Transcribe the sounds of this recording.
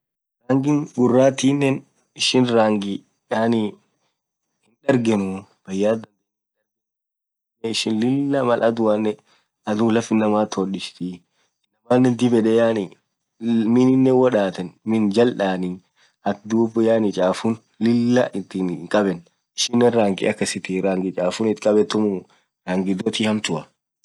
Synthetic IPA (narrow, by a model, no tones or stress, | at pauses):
ɾaːŋɡɪŋɡʊrːaːt̪iːnːɛn | ɪʃɪnɾaːŋɡɪ | jaːni | hɪnᶑɐɾɡɛnʊb̥ɐjːaːd̪ɐnd̪ɛ | nᶑɐɾɡ | nːɛɪʃɪnlɪlːɐmɐlʔɐd̪ʊwanːɛ | ɐd̪uːlɐfɪnːɐmaːt̪ʰoːɗɪʃt̪i | ɪnːɐmaːnːɛnd̪ɪbɛᶑɛjaːnɪ | mɪnɪnːɛwɔᶑaːt̪ɐnmɪnd͡ʒɐlᶑaːni | ʔɐkd̪uːbːʊjaːnɪt͡ʃʼaːfʊn | lɪlːɐʔɪt̪ːinŋkʼɐbɛn | ɪʃɪnːɛnɾaːŋɡɪ̰ʔɐkːɐsɪt̪ɪɾaːŋɡɪt͡ʃʼaːfʊnɪt̪kʼɐbɛt̪ːʊmʊ | ɾaːŋɡɪd̪ot̪iːhɐmt̪ʊʔɐ